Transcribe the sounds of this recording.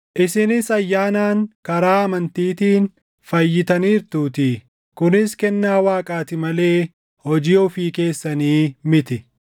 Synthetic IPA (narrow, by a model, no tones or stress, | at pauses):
ʔɪsɪnɪsɐjːaːnaːŋkɐɾaːɐmɐnt̪iːt̪iːn | fɐjːɪt̪ɐniːɾt̪uːt̪ɪ | kʊnɪskɛnːaːwaːkʼaːt̪ɪmɐle̞ː | hɔd͡ʒiːʊfiːke̞ːsːɐniːmɪt̪ɪ